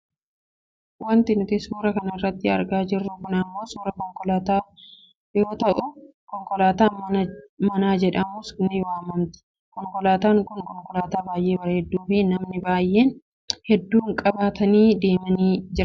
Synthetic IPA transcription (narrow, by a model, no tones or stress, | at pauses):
wɐnt̪ɪnʊt̪ɪsuːɾɐkɐnɐɪrːɐt̪ːɪɐ̰ɾɡaːd͡ʒɪrːʊkʊnɐmːo̞ːsuːɾɐkɔŋkɔlaːt̪aː | jo̞ːt̪ɐʔʊ | kɔŋkɔlaːt̪aːmmɐnaːd͡ʒɛᶑɐmʊsnɪwaːmɐnt̪ɪ̥ | kɔŋkɔlaːt̪aːŋkʊŋkɔŋkʼɔlaːt̪aːbaːjʔe̞ːbɐɾɐhɛd̪ːuːfɪnɐmnɪbaːjʔːe̞ːn | hɛd̪ːuːŋkʼɐbaːt̪ɐniːd̪e̞ːmɐniːd͡ʒɪɾɐ